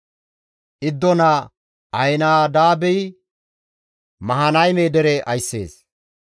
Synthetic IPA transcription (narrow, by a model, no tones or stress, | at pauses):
ʔɪd̪ːɔnɐ | ɐjnaːd̪aːbɛj | mɐɦɐnɐjmeːd̪ɛɾɛʔɐjsːḛːs